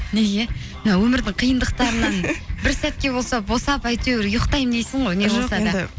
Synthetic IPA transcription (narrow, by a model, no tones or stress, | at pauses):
neɡʲe | mnɑwɵmɪɾd̪ɪɴqʰijənd̪əqt̪ɑɾənɑnbɪɾsæt̪̚kʲe̞bo̞lˠsɑbo̞sɑpæjt̪ewɪɾjʊqt̪ɑjmd̪ejsɪɴʁojneʒɑsɑd̪ə